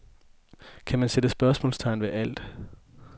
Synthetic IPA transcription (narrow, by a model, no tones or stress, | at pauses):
kʰæmænsed̥əsb̥ɶɐsmɔ̰ːlst͡sʰɑ̈ɪ̰nʋe̝ʔæl̰d̥